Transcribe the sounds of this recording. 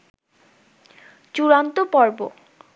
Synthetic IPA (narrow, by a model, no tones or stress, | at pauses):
t͡ɕuɾant̪opɔɾbo̰